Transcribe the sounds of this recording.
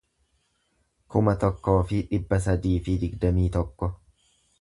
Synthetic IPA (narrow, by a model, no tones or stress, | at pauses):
kʊmɐt̪ɔkːo̞ːfɪᶑɪbːɐs̬ɐd̪iːfɪd̪ɪɡd̪ɐmiːt̪ɔkːɔ